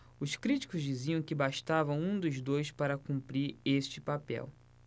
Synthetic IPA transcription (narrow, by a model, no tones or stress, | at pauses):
ʊskɾit͡ʃi̥kʊzd͡ʒiziɐ̃w̃kɪbaʃt̪avɐ̃w̃ũd̪ʊzd̪ojspaɾɐkũmpɾiɾeʃt͡ʃɪpapɛ̰w